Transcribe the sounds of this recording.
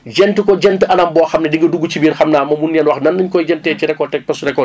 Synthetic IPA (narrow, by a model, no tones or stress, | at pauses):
ɟɛntəkɔɟɛntəʔɐnɐmbɔːxɐmnɛdiŋɡɐduɡːut͡ʃibiːrxɐmnaːmɐmunjɛnwɐxnɐnːɐɲkɔjɟɛntɛːt͡ʃiɾɛkːɔtɛk̚pɐsuɾɛkːɔ